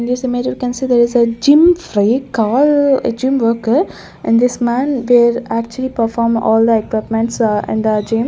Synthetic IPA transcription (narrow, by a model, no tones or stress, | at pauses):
nisɪ̃med͡ʒjikɛ̃nsiːd̪ɛɾɪzəd͡ʒɪ̃mfɾikɔːlə̰d͡ʒɪ̃mʋəkə | ʔɛ̃ɖd̪ɪsmæ̃nʋɪlækt͡ʃuəlipəfɔːɾmɔ̰ːld̪əekwɪpmɛ̃ɳʈsɛ̰̃ɳəd͡ʒĩm